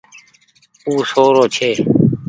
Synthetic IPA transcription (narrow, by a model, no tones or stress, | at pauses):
uːsoːɾoːt͡ʃʰeː